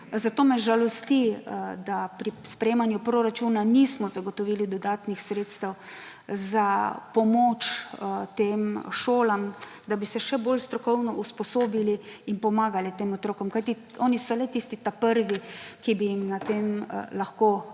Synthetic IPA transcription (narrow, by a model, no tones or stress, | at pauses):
zat̪oːmɛʒalɔst̪id̪apɾispɾɛjeːmanjupɾoɾat͡ʃuːnaniːsmɔzaɡɔt̪ɔʋiːlid̪ɔd̪aːt̪nixsɾeːt̪st̪ɛw | zapɔmoːt͡ʃt̪eːmʃoːlam | d̪abisɛʃɛboːlst̪ɾɔkɔwnɔʔuspɔsoːbiliinpɔmaːɡalit̪eːmɔt̪ɾoːkɔmkajt̪i | ɔːnisɔlɛt̪ist̪it̪apəɾʋikibijimnat̪eːmlaxkoː